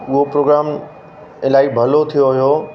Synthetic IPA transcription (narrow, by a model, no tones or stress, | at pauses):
ʊɦopɾoːɡɾaːm | ɪlaːɪkbʱɐlot̪ʰijoɦijoː